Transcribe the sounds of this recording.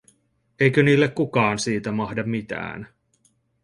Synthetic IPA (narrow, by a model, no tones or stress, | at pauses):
ejkøniːlːekkːukɑːnsiːt̪æmɑhdɑmːit̪æ̰ːn